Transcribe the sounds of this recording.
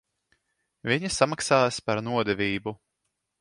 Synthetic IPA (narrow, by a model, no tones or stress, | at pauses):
vʲiɲisamaksaːjspaɾnuɔd̪ɛvʲiːbu